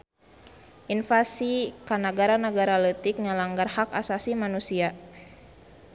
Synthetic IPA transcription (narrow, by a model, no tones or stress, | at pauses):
ʔinfasikanaɡaɾanəɡaɾalət̪ik̚ŋəlaŋɡarhaka̰sasimanusia